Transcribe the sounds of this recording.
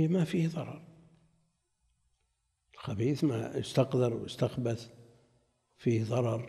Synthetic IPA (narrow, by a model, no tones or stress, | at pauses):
mafiːhðˤɑɾˤɑɾˤ | ɪlxabiːθma̰jɪst̪ɑqd̪ɪɾwɪst̪axbaθ | fiːhðˤɑɾˤɑɾˤ